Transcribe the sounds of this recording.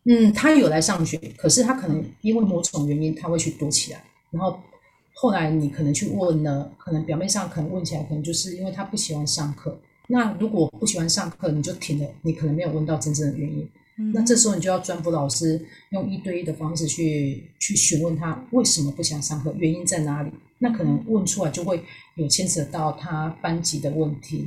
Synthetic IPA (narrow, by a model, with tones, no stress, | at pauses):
n̩˥˩t̪ʰa˥jo˨˩ʊla˧˥ɪʂɑ˥˩ŋɕɥɛ˨˦kʰɤ˨˩ʂɻ̩˥˩t̪ʰa˦˥kʰɤ˨˩nə˧˦ŋi˥nwe˥˩ɪmwɔ˧˥ʈ͡ʂʰʊ˨˥ŋɥɛ˧˥ni˦˥nt̪ʰa˥xwe˥˧ɪt͡ɕʰy˥˩t̪wɔ˥t͡ɕʰi˨˩la̰˧˦ɪ | na˧˦nxo˥˧ʊ | xo˥˩ʊla˧˦ɪni˨˩kʰə˨˩nə˧˥ŋt͡ɕʰy˥˧wə˥˩nə˩kʰɤ˨˩nə˧˥ŋpjɑ˨˩mjnʂɑ˥˩ŋkʰə˨˩nə˧˦wə˥˩nt͡ɕʰi˨la˧˥ɪk̪ʰə˧˦ŋt͡ɕjo˧ʊʂɻ̩˥˩˧i˥nwe˥˩ɪt̪ʰa˥pu˥˩ɕi˨˩xwa˧˥nʂɑ˥˧ŋkʰɤ˥˩ | na˥˩lu˧˥kwɔ˨˩pu˥˩ɕi˨˩xwa˧˥˧nʂɑ˥˧ŋkʰɤ˥˩ni˨˩t͡ɕjo˥˩ʊt̪ʰi˨˩ŋdlə˦ni˨˥kʰə˨˩nə˧˦ŋme˧˥jo˨˩wə˥˧nt̪ɑ˥˩ʊʈ͡ʂə˥˧nʈ͡ʂə˥˩ŋd̪ə˩ɥɛ˧˦ni˦˥n | na˥˧ʈ͡ʂɤ˥˩ʂ̬̩˧xni˨jjɑ˥˧ʊʈ͡ʂwa˥nfu˧˥lɑ˨˩ʊʂɻ̩˥jʊ˥˧ŋi˥t̪we˥˧ɪ˥d̪ə˨fɑ˥ŋʂɻ̩˥˧t͡ɕʰy˥˩t͡ɕʰy˥˩ɕy˧˥nwə˥˩nt̪ʰa˦˥we˥˩ɪʂə˧˥mə˨˧pu˩ɕi˨˩wa˥nʂɑ˥˧ŋkʰɤ˥˩ɥɛ˧˦ni˦˥nt͡sa˥˩ɪna˧˥li˨˩˦na˥˩kʰɤ˨˩nə˧˦ŋwə˥˩nʈ͡ʂʰu˥la˧ɪt͡ɕjo˥˧ʊxwe˥˩ɪjo˨˩ʊt͡ɕʰjɛ˥nt͡s̩ʰ˨d̪ə˨t̪ɑ˥˩ʊt̪ʰa˥pa˥nt͡ɕi˧˥d̪ə˨wə˥˩nt̪ʰi˨˧˦